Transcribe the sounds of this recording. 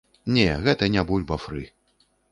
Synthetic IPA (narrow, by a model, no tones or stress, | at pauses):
nʲɛɣɛt̪ɐnʲabulʲbɐfɾɨ